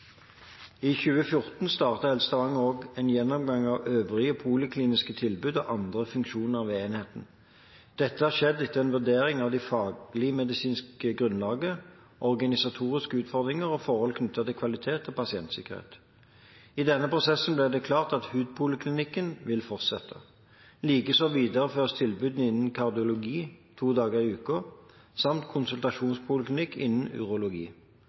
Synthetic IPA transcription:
içʉːəfjʊʁt̪n̩st̪ɑːʁt̪əhɛlst̪ɑʋɑŋoːɡɛnjɛnːɔmɡɑŋɑʋøːʋʁɪəpʰuːlɪkʰliːnɪskət̪ʰɪlbʉːd̪ɔ̰ʔɑnd̪ʁəfʉŋkʃuːnəʁɑʋeːnheːt̪n̩ | d̪̥ɛt̪ːəhɑʃɛd̪ːɪt̪ʰːəɛnʋʉʁd̪eːʁɪŋɑʋd̪ɪfɑːɡlɪmɛd̪ɪsiːnskkəɡʁʉnlɑːɡə | ʔɔʁɡɑnɪsɑt̪ʰuːʁɪskəʉːt̪fɔʁd̪ʁɪŋəʁɔfɔʁhɔlkʰnʏt̪ʰːɑt̪ɪlkʰʋɑlɪt̪ʰeːt̪ɔpɑsɪɛnt̪sɪ̰kəʁhḛːt̪ | ɪd̪ɛnːəpʰʁʊsɛsn̩blɛd̪ɛkʰlɑːʁt̪ɑt̪hʉːd̪̚pʰʊləkʰlɪnɪkːənʋɪlfɔʁt̪sɛt̪ʰːə̰ | liːkəsɔʋiːd̪əʁəføːʁst̪ʰɪlbʉːd̪n̩ɪnːən̩kʰɑʁd̪ɪʊlʊɡiːt̪ʰuːd̪ɑːɡəʁɪʉːko | sɑmt̪kʰʊnsʉlt̪ɑʂuːnspʰʊːlɪklɪnɪkːʰɪ̰nːən̩ʉ̰ʁʊlʊɡḭː

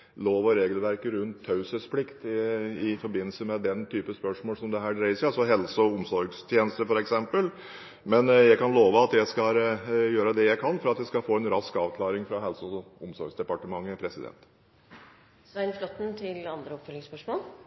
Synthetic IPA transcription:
loːʋɔɾeːɡəlʋæɾkəɾʉnt̪ʰːɑʉsəspʰlɪkt̪ɪfɔɾbɪnːəlsəmɛd̪ɛnt̪ʰyːpəspœʂmoːlsɔmd̪ɛɦæːɖɾæɪsɑlsɔɦɛlsɔʊmsɔɾɡst̪ʰjeːnəst̪əfɔɾɛksɛmpəl | mɛnjæɪkɑnloːʋəɑt̪jæɪskɑjøːɾəd̪ɛjæɪkʰɑnfɔɾɑt̪jæɪskɑfoːɛnɾɑskɑːʋkʰlɑːɾɪŋfɾɑɦɛlsɔʊmsɔɾɡsd̪ɛpɑʈəmɑŋːəpʰɾɛsɪd̪ɛ̰nt̪ | sʋæɪnflɔt̪ːn̩t̪ʰɪlɑnd̪ɾəɔpfœlɪŋspœʂmoːl

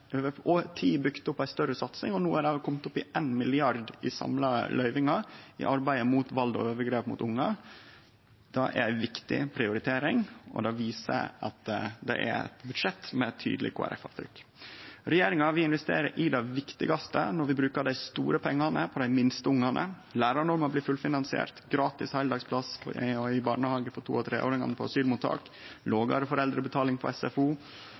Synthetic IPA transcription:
øːʋəʔoːt̪ʰiːbʏkt̪ʊpːæɪst̪œɾəsɑt̪snɪ̰ŋɔnuːæɖɛkʰɔmt̪ʊpːɪʔeːnmɪlɪɑɾd̪ɪsɑ̰mlɑlʔœʏʋɪŋɑɪ̰ʔɑɾbæɪəmut̪ʋɑld̪ɔ̰øːʋəɡɾeːpmʊ̰t̪ʊŋːɑ | d̪̥ɑʔæ̰ɾæɪʋɪkt̪ɪ̰pʰɾɪʊɾɪt̪ʰeːɾɪŋɔ̰d̪ɑʋiːsə̰ʔɑ̰t̪d̪ɛ̰ʔæ̰ɾɛ̰t̪bʉd̪ʂɛt̪mɛt̪ʰːy̰ːd̪lɪ̰kʰo̰ːæ̰ɾɛ̰fɑ̰ʋt̪ʰɾʏkː | ɾɛjeːɾɪŋɑʋɪɪnʋɛst̪ḛːɾə̰ɾʔɪd̪æɪʋɪkt̪ɪɡɑst̪ənɔɾʋɪbɾʉːkəɖæɪst̪ṵːɾəpʰɛŋːɑnəpʰɔd̪æɪmɪnst̪əʊŋːɑnʔə̰ | læːɾɑɳɔɾməblɪːfʉlfɪnɑnsɪḛːɾt̪ɡɾɑːt̪ɪshæɪld̪ɑːɡspʰlɑsɪbɑːɳəhɑːɡəfɔʈ̪ʰṵːɔt̪ʰɾḛːʔo̰ːɾɪŋɑ̰nəpʰɔɑsyːlmut̪ʰɑ̰ːk | loːɡɑ̰ɾfɔɾɛld̪ɾəbət̪ʰɑːlɪŋpʰɔ̰ɛsɛfuː

